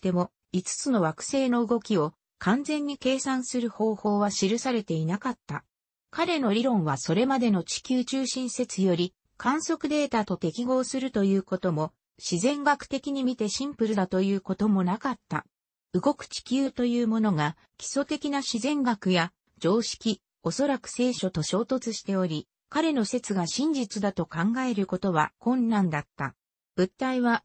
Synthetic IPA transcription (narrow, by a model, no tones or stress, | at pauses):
t̪e̞mo̞ | it͡sɨ̥t͡sɨno̞βakɯ̟̥se̞ːno̞ɯ̟ɡo̞kʲio̞ | kʰãnd͡zẽ̞ɲ̟ːike̞ːsãɰ̃sɨɾɯ̟ho̞ːho̞ːβaɕiɾɯ̟saɾe̞t̪e̞inakat̪ːa | kaɾe̞no̞ɾʲiɾõ̞ɰ̃βaso̞ɾe̞mad̪e̞no̞t͡ɕi̥kʲɨːt͡ɕɨːɕĩɰ̃se̞t͡sɨjo̞ɾʲi | kʰãɰ̃so̞kɯ̟d̪e̞ːt̪at̪o̞t̪e̞kʲiɡo̞ːsɨɾɯ̟t̪o̞jɯ̟ːko̞t̪o̞mo̞ | ɕizẽ̞ŋɡakɯ̟̥t̪e̞kʲiɲ̟imʲit̪e̞ɕĩmpɯ̟ɾɯ̟d̪at̪o̞jɯ̟ːko̞t̪o̞mo̞nakat̪ːa̰ | ɯ̟ɡo̞kɯ̟̥t͡ɕi̥kʲɨːt̪o̞jɯ̟ːmo̞no̞ɡa | kʲi̥so̞t̪e̞kʲinaɕizẽ̞ŋɡakɯ̟ja | d͡ʑo̞ːɕi̥kʲi | o̞so̞ɾakɯ̟̥se̞ːɕo̞t̪o̞ɕo̞ːt̪o̞t͡sɨɕi̥t̪e̞o̞ɾʲi | kaɾe̞no̞se̞t͡sɨɡaɕĩɲ̟d͡ʑit͡sɨd̪at̪o̞kãŋɡae̞ɾɯ̟ko̞t̪o̞βa̰kõ̞nːãnd̪at̪ːa̰ | b̥ɯ̟t̪ːaiβa